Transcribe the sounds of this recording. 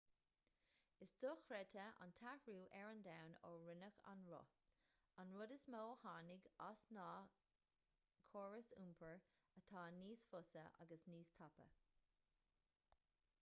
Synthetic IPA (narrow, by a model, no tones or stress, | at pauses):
ɪsd̥ʊxɾɛtʰəa̰nt̪ʰafɹuːʔɛɹənd̪awnoːɹɪnəxa̰nɹɔ̰ | anɹʊdəsmoːhaːnɪɡasnɑː | kʰoːɹəsṵmpʰəɹ | ət̪ʰɑːniːsfʊsəʔa̰ɡəsniːst̪ʰapə̰